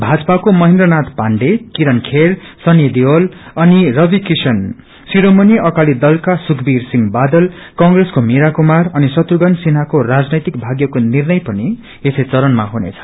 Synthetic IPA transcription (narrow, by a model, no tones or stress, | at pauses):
bʱad͡zʌpakomʌɦẽnd̪rʌnat̪paɳɖekiɾʌnkʰersʌnjed̪iolʌnirʌbikisʌn | siɾomʌniʌkalid̪ʌlkasukbirsiŋbad̪ʌlkʌŋɡreskomeɾakumarʌnisʌt̪ruɡʌnsinakorad͡znʌjt̪ikbʱaɡjʌkonirnʌjpʌni | eset͡sʌɾʌnmaɦunḛt͡sʰʌ̥